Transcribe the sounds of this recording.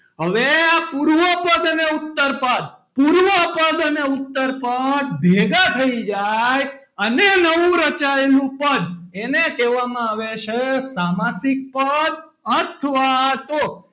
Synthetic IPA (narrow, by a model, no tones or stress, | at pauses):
ɦəʋeapuɾʋəpəd̪əneut̪ːəɾpəd̪̚ | puɾʋəpəd̪əneut̪ːəɾpəd̪̚bʱeɡat̪ʰəid͡ʒaj | ənenəʋũɾət͡ʃajlũpəd̪enet̪eʋamãaʋeʃʰesamasik̚pəd̪ | ət̪ʰʋat̪o